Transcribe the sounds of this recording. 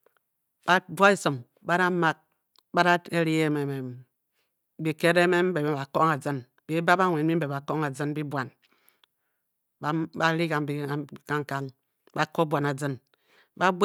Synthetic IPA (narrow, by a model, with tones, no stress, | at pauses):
b̥a˦dwa˦i˦sɨ˨m | ba˦ɾa˦ma˦˨k̚ | ba˦ɾa˦e˦ɾi˦e˦me˨me˨ | bi˨ke˦ɾe˦me˦m̩˦be˨be˦ba˨ko˦ŋa˨d͡zɨ˦n | bi˦ba˦ba˦ŋʷe˨nmi˦m̩˦be˨a˨ko˦ŋa˨d͡zɨ˦n˦bi˦bwa˨n˦ | ba˦ɾi˦ka˨mbi˨˦˨ka˦ŋ˦ka˦ŋ | ba˨ko˦bʷwa˨na˨d͡zɨ˦n | ba˦b